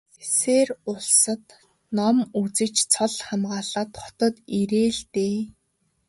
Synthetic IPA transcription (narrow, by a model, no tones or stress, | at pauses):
eseːrʊɮsə̆t̪ | nɔmut͡sɘ̆kt͡ɕt͡sʰɔɮχamɢaːɮaːt̪χɔ̥t̪ɞ̆t̪iɾeːɮt̪eː